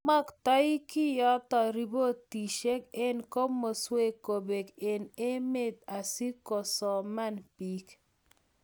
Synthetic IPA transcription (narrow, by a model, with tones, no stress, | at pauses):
ma˦kta˦i˦kɪ˦jɔ˦t̪ɔ˨ɾi˨bo˦ti˨ʃe˦kɪ˦nko˦mo˨swe˦ko˨be˨kɪ˨ne˦me˦˨t̪a˨si˦kɔ˨sɔ˨ma˦npi˨˦k